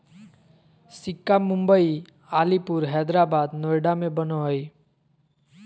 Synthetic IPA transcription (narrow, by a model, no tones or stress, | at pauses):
sɪkːamʊ̃mbəi | alipuɾɦɛd̪ɾabad̪nojɖamẽbənoɦəj